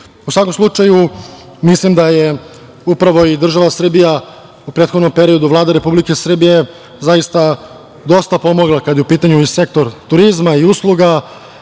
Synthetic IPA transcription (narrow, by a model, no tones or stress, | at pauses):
usʋako̞mslˠut͡ʂaju | mislimd̪aje | upɾaʋo̞id̪r̩ʒaʋasr̩bija | upɾeːt̪xod̪nompe̞ɾio̞d̪uʋlˠaːd̪eɾe̞publike̞sr̩bije | zajist̪a | d̪o̞st̪apo̞moɡlˠakad̪jeupiːt̪aɲuise̞k̚t̪o̞ɾt̪uɾizmaiuslˠuɡa